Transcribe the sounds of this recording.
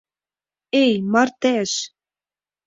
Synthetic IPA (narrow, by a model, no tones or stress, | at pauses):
ejmɑɾt̪ɛʃ